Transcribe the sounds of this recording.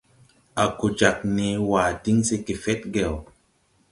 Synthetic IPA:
a˨ko˨d͡ʒa˨k̚ne˨˦wa˨ti˦ŋse˧ke˨fɛ˦t̚ɡɛ˨w

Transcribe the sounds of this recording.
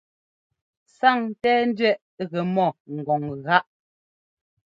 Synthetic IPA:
sa˦˨ŋtɛː˦n̩˦dɥɛ˦˨ʔ | ɣɛ˨mɔ˦˨ŋ̩˨ɡɔ˨ŋɣa˦ʔ

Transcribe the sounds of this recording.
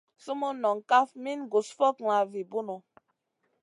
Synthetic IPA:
su˦mo˦nɔ˨ŋ˨ka˦fmi˦n˦ɡo˨sfɔ˦kŋa˨vi˨bu˦nɔ˨

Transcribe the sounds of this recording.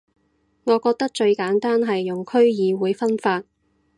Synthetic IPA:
ŋɔː˨˧kɔː˧k̚t̪ɐ˥k̚t͡ʃɵ˧ɥkaː˨˥nt̪aː˥nɦɐ˨jjʊ˨˩ŋkʰɵ˥ɥjiː˨˧wuː˨˧jfɐ˥nfaː˧t̚

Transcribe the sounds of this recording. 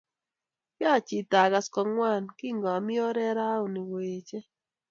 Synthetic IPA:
kja˦˨t͡ʃi˨ta˨ɡa˨skɔ˨ŋwa˦˨nki˦ŋɡɔ˨mɪ˦ɔ˦ɾɛ˦ɾa˦u˨ni˨weː˨t͡ʃe˦

